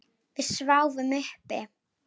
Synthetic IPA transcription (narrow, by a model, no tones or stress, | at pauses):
vɪðsvawvʏmʏhpɪ